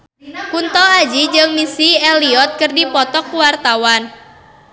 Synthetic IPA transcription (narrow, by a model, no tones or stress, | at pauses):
kunt̪ɔad͡ʒid͡ʒɨŋmisiɛliɔt̪̚kɨrdipɔt̪ɔkuwart̪awan